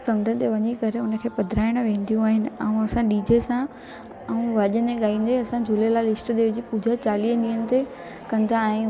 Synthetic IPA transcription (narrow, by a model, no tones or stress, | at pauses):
sɐ̃md͡ʑʱənɪ̆t̪eʋɐɲekɐɾeʊnə̆kʰeːpɐd̪ʱɾaːɪɽ̃̆ʋẽːn̆d̪ijũaːɦɪnɪ̆ɛũɐsãɗiːd͡ʑesã | ɛũʋɐʄəeɠaːĩːn̆d̪eɐsãd͡ʑʱʊlelaːlɪsʈəd̪eːʋd͡ʑiːpuːd͡ʑʱat͡ɕaːliːɗiːənɪ̆t̪e | kɐ̃nd̪ʰʱaɦɪ̃